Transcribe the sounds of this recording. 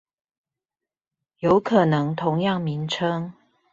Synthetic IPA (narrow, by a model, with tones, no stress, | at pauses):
jo˨˦ʊkʰɤ˨˩nɤ˧˦ŋt̪ʰʊ˧˦ŋjɑ˥˨ŋmi˨˦nʈ͡ʂʰɤ˥ŋ